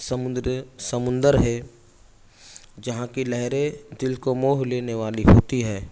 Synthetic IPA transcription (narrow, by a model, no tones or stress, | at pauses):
sɐmʊd̪ɾsɐmʊ̃nd̪əɾɦɛː | d͡ʒɐɦãkilɛɦɾed̪ɪlkomoːɦleːneʋaːliɦoːt̪iɦɛː